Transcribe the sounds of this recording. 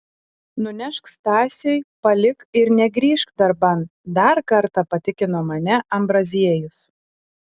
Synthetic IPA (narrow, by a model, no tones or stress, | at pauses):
nʊnʲɛʃkst̪ɑːsʲɛjpɐlʲɪkɪɾnʲɛɡɾʲiːʃkd̪ɐɾbɐnd̪ɐɾkɐɾt̪ɑpɐt̪ʲɪkʲɪnoːmɐnʲɛʔɐmbɾɐzʲiɛjʊs